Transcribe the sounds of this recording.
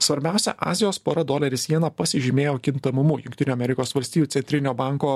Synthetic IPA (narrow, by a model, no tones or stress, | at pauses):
sʋɐɾʲbʲæˑʊsʲɛ̰ʔɑ̰ːzʲɪjoːspoːɾɐd̪oːlʲɐɾʲɪsʲiɛnɐpɐsʲɪʒʲɪmʲeːjoːkʲɪnt̪ɐmʊmʊjʊŋkt̪ʲɪnʲuːɐmʲɛɾʲɪkoːsʋɐlʲst̪ʲiːjuːt̪sʲɛnʲt̪ɾʲɪnʲoːbɑˑŋkoː